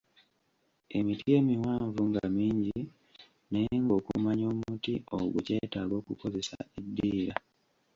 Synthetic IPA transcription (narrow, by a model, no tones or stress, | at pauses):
e̞mitije̞ːmiwaːɱvuŋɡamiːɲɟi | neŋɡo̞ːkṵmaɲo̞ːmutioɡṵce̞ːtaːɡo̞ːkuko̞ze̞sa̰edːiːɾa